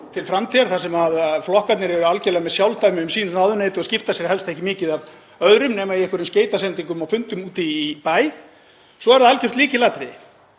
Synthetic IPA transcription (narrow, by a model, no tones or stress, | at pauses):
t̪ʰɪlfɾamt̪ʰiːaɾ̥θasɛmaðflɔhkat̪nɪɾɛvɛɾʏalcɛlaɣmɛðsjawlt̪aːjmɪʏmsiːnʏnawðʏneːjt̪ʏascɪft̪asjɛɾ̥hɛlst̪ɛhcɪmɪːcɪðav | œðɾʏmnɛːmaiɛhkvʏɾʏmsceːjt̪asɛnt̪iŋk̬ʏmawfʏnt̪ʏmuːt̪iːpaːj | sɔɛɾðaalcʏr̥t̪liːcɪlat̪ɾɪ